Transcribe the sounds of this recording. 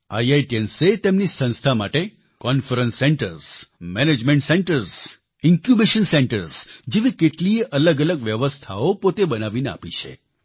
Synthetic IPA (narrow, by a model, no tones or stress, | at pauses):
ajajʈienset̪emnisə̃ñst̪ʰamaʈe | kɔnfəɾə̃nsːeɳʈəɾsmɛned͡ʒmẽɳʈsẽɳʈəɾs | ɪŋkjubiʃənsẽɳʈəɾsd͡ʒeʋĩkeʈliʔələɡələɡʋjəʋəst̪ʰaopot̪ebənaʋinea̰pit͡ʃʰḛ